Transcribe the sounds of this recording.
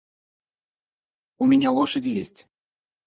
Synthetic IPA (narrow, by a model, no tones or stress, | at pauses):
ʊmʲɪnʲalˠɔʂəd͡zʲjesʲtʲ